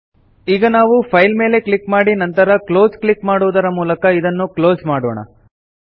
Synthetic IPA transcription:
iːɡɐnaːʋupʰɐjlme̞ːle̞kɭikmaːɽinɐnt̪ɐɾɐklo̞ːzklikmaːɽuʋd̪ɐɾɐmuːlɐkɐid̪ɐnːuklo̞ːzmaːɽɔ̰ːɳɐ̰

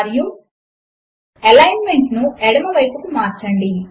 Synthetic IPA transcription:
ɾju | elɐjnme̞ɳʈnuɛɽɐmɐʋɐjpɐkumaːɾt͡ʃɐɳɖi

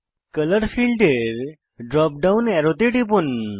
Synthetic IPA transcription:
kələɾfilɖeɾ | ɖɾɔp̚ɖaunɛɾot̪eʈipun

